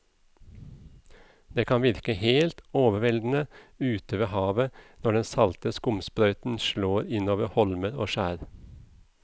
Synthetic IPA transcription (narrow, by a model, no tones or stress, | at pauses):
d̪̥eːkʰɑnʋɪɾkəheːlt̪oːʋəʋɛld̪n̩əʉːt̪əʋeːhɑːʋənɔɖɛnsɑlt̪əskʊmspɾœʏt̪n̩ʃloːɾɪnoːʋəhɔlməɾo̰ːʃæːɾ